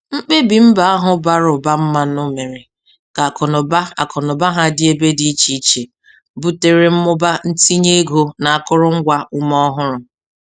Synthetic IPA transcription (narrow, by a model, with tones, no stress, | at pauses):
ŋ͡m̩˦k͡pe˦bi˨m̩˦ba˨a˦ɦʊ˦ba˦ɾʊ˨ba˦m̩˦ma˦nʊ˦me˨ɾɪ˨ | ka˨kɔ˨nʊ˨ba˦a˨kʰɔ˨nʊ˨ba˦ɦa˦dɪ˦e˦be˦di˨i˦t͡ʃi˦i˦t͡ʃe˨ | bu˦te˨ɾe˦m̩˦mʊ˦ba˦n̩˦ti˦ɲe˦e˦ɡo˦na˨a˦kʊ˦ɾʊ˦ŋ̩˦ɡʷa˦ʊ˦mɔ˦ɦʊ˦ɾʊ˨